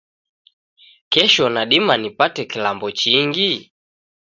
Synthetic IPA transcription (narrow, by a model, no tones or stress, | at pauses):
kɛʃɔnaɗimanipatɛkilambɔt͡ʃiŋɡi